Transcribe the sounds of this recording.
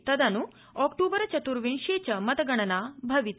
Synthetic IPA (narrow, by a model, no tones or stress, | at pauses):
t̪ɐd̪ʱanu | ɔkʈuːbəɾt͡ɕɐt̪uɾʋiɳɕet͡ɕɐmɐt̪əɡɐɳ̃ɐnabʱɐʋit̪